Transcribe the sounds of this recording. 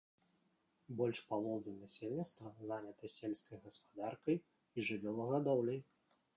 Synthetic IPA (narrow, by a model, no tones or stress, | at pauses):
bɔlʲʂpalˠɔd̪unasʲelʲnʲit̪st̪vɐzanʲɐt̪ɐsʲelʲskɐjɣɐspad̪arkɐj | iʐɨvʲɔlˠɐɣad̪ɔwlʲɐj